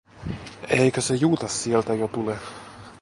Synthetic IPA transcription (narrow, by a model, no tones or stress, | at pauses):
eikøsejuːt̪ɑssielt̪æjot̪ule